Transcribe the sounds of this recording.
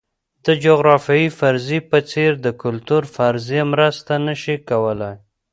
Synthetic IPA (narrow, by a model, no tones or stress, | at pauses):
d̪̥əd͡ʒoɣɾɑfjɑjifaɾzipət͡seɾd̪əkʊlt̪uɾfaɾzijemɾəst̪anəʃikawəlaj